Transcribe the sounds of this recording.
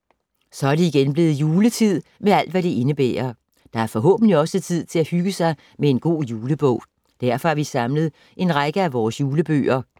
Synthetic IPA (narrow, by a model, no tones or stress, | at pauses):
sɒ̽æɐɾ̥eiɡ̥enb̥le̝ːð̞̩ˠjuːlət͡sʰið̰ˠmeæl̰d̥ʋæɾ̥e̝ʔe̝nəb̥ḛːɐ | d̥ɑ̈æɐfɒ̽ɦɔ̰̽ːb̥n̩liɒ̽sət͡sʰið̞̰ˠt͡sʰe̝læhyɡ̥əsɑ̈ɪ | mee̝nɡ̥o̝̰ːjuːləb̥ɔ̰̽ʊ̰ | d̥æɐfɒ̽æɐʋisɑ̈mləð̩ˠ | ʔe̝nʁɑ̈ɡ̥əæʋɒːsjuːləb̥ø̰ːɐ